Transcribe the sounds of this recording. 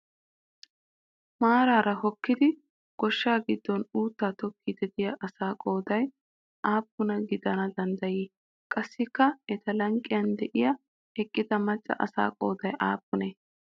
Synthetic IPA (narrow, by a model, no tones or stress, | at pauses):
maːɾaːɾɐhɔkːɪd̪ɪ | ɡ̥ɔʃːaːɡɪd̪ːɔnuːt̪ːaːt̪ɔkːɪd̪ɛd̪ɪjɐʔɐsaːkʼo̞ːd̪ɐj | aːpːʊnɐɡɪd̪ɐnɐd̪ɐnd̪ɐjiː | kʼɐsːɪkːɐɛt̪ɐlɐŋkʼːɪjɐnd̪ɛʔɪjɐ | ɛkʼːɪd̪ɐmɐt͡ʃʼːɐ̰ʔɐ̰sa̰ːkʼo̞ːd̪ɐjʔa̰ːpːʊneː